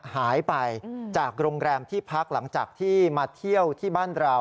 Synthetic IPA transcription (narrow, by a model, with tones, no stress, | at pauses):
haː˩˦jpa˧jt͡ɕaː˨˩k̚ɾoː˧ŋɾɛː˧mt̪ʰiː˥˩pʰa˦˥k̚la˩˦ŋt͡ɕaː˨˩k̚t̪ʰiː˥˩maː˧t̪ʰi˥˩əwt̪ʰiː˥˩baː˥˩nɾa˧w